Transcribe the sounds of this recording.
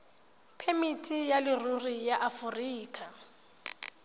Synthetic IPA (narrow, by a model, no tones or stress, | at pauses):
pʰemitʰʼijalɪrurijaʔafʊriːkʼa